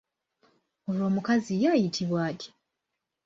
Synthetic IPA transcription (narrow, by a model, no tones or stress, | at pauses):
o̞lwo̞ːmukazijaːjitʰiβwaːtʰi̥